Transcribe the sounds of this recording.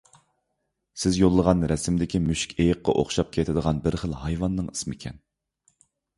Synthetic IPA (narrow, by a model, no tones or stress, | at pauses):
sɪzjolˠːəʁɑnɾɛsɪmd̪ɪkʲimyʃi̥kʲʰejəqːɑ̰ʔo̰χʃɑp̚kʲʰet̪ʰɪd̪əʁɑnbɪɾχəlˠhɑjvɑnːɨŋismikʲʰɛ̰n